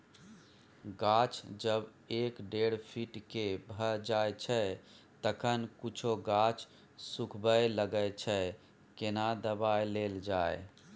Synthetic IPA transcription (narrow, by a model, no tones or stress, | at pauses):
ɡat͡ʃd͡ʒəb | ekɖeɽpʰiʈkebʱəd͡ʒajt͡ʃʰə | t̪əkʰənkut͡ʃʰoɡat͡ʃ | sukʰbəjləɡəjt͡ʃʰə | kenad̪əbajleld͡ʒae